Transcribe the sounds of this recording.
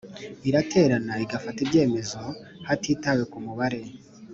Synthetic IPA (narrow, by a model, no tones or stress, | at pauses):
iɾatʰe̞ːɾanaiɡafatibɟe̞ːme̞zo̞ | hatʰiːtawekumuβaɾe̞